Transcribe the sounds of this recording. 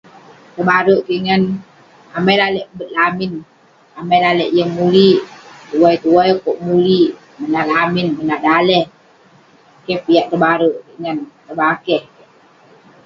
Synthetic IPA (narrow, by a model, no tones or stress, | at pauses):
t̪əbaɾuʔkiʔŋən | amajlalɛʔbət̪̚lamin | amajlalɛʔjəŋmuliʔt̪uwajt̪uajkoʔmuliʔ | mənalaminmənahdalɛh | kɛhpiaʔt̪əbaɾuʔkiʔŋənt̪əbakɛh